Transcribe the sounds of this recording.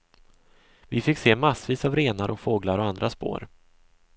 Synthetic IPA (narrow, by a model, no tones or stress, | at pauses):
vɪfɪkseːmasviːsavɾeːnaɾʔɔkfoːɡlaɾɔand̪ɾaspo̰ːɾ